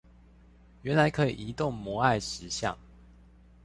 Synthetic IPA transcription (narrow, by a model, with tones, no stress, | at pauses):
ɥɛ˨˦nla˨˦ɪkʰɤ˧˦ḭ˨i˧˦t̪ʊ˥˨ŋmwɔ˧˦a˥˩ɪʂɻ̩˧˦ɕjɑ̰˥˨ŋ